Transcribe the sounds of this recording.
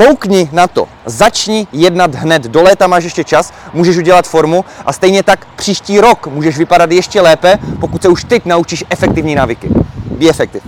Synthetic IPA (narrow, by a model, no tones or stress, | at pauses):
owkɲɪnat̪o̰ | zat͡ʃɲɪjɛdnad̪ɦnɛd̪do̞lɛːt̪amaːʃ̬jɛʃcɛt͡ʃasmuːʒɛʃuɟɛlat̪fo̞ɾmuʔast̪ɛjɲɛt̪akpr̥iːʃciːɾo̞kmuːʒɛʒvɪpadat̪jɛʃcɛlɛːpɛpokut̪sɛuʃt̪ɛcnaut͡ʃiʃʔɛfɛk̚t̪ɪvɲiːnaːvɪkɪbiɛfɛk̚t̪ɪv